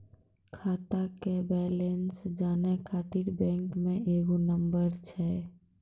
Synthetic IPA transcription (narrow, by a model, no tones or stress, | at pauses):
kʰaːt̪akebɛlensd͡ʒaːnɛkʰaːt̪iɽbɛ̃ŋkmẽʔeːɡunəmbəɾt͡ʃʰɛ